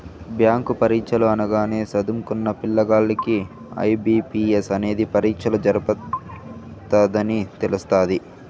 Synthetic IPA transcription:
bjaːŋkupɐɾiːkʂɐluɐnɐɡaːne̞ːsɐd̪umkunːɐpiɭːɐɡaːɭːɐki | ɐ̰jbiːpiːesɐne̞ːd̪ipɐɾiːkʂɐlud͡ʒɐɾɐpɐ | t̪ɐd̪ɐnit̪elust̪aːd̪i

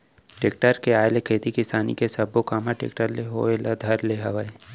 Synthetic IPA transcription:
ʈeːkʈəɾkeaːjlekʰeːt̪ikɪsaːnḭkesɐbokaːmaʈḛːk̚ʈəɾleɦoelɐd̪ʱɐɾleɦɐʋəe

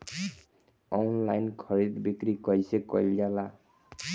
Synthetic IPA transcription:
ɔnlajnkʰʌɾid̪bikɾikʌjsekɔjld͡ʒala

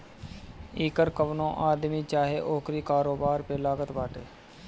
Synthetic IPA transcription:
iːkəɾkəʋnõːʔaːd̪miːt͡ʃaːɦeːʔoːkɾiːkaːɾoːbaːɾpeːlaːɡət̪baːʈeː

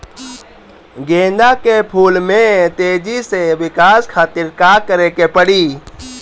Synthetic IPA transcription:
ɡẽːnd̪akepʰuːlmẽt̪eːd͡ʒiseʋɪkaːskʰaːt̪iɾkakəɾekepəɽiː

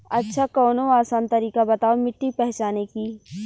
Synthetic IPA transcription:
ɐtːʃʰakɔːnoaːsaːnt̪ɐɾiːkabɐt̪aːomɪʈːipɛɦt͡ʃaːneki

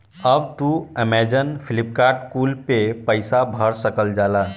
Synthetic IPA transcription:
əbt̪uəmɛd͡ʒənpʰilip̚kaːɾʈkuːlpepəɪsabʱəɾsəkəld͡ʒaːla

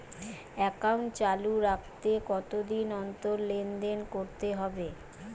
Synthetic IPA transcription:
ɛkauɳʈt͡ɕaluɾak̚ʰt̪ekɔt̪od̪inɔnt̪oɾlend̪enkoɾt̪eɦɔbe

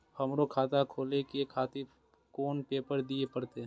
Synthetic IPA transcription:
həmɾokʰaːt̪akʰoːlekekʰaːt̪i | koːnpeːpəɾd̪iepəɾt̪e

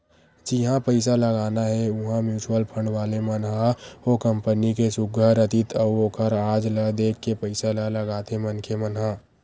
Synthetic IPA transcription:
d͡ʒɪɦãpəɪs̬aləɡaːnaɦɛʊɦãmjuːt͡ʃuəlpʰəɳɖʋaːlemənɦaoːkə̃mpənikesʊɡʱəɾət̪ɪt̪ʰɔːoːkəɾaːd͡ʒləd̪eːkʰːepəɪsalələɡaːt̪ẽmənkʰemənɦãː

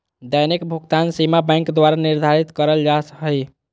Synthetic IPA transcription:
d̪əjnikbʱuɡt̪ansimabɛ̃jŋkd̪waɾaniɾd̪ʱaɾit̪kəɾəld͡ʒasɦəj

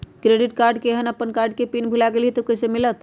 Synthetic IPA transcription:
kɾeɖiʈkaɾɖkeɦənəpːənkaɾɖkepinbʱulaɡeliɦit̪okəsemilət̪

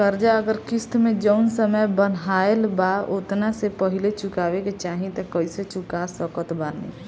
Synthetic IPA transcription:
kəɾd͡ʒaəɡəɾkist̪med͡ʒəʊnsəməjbən̤aelbaot̪nasepəɦilet͡ʃukabeket͡ʃaɦĩt̪ɔkəiset͡ʃukasəkət̪banḭ

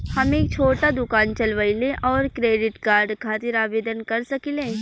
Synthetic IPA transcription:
hɐmeːk̚t͡ʃʰoːʈad̪ʊkaːnt͡ʃɐlʋəɪlẽʔɔːɾkɾeːɖɪʈkaːɾɖkʰaːt̪ɪɾaːʋeːd̪ənkɐɾsɐkilẽː

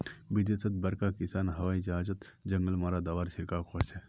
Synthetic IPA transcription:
bɪd͡ʒesʰɐt̪̚bɐɾkakɪsaːnɦɐʋaːĩd͡ʒɐɦaːd͡ʒət̪ | d͡ʒɐŋɡəlmaːɾad̪aʋaːɾʃɪɾkakʰose

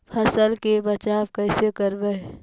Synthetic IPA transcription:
pʰəsəlkebət͡ʃabkəɪsekəɾbəe

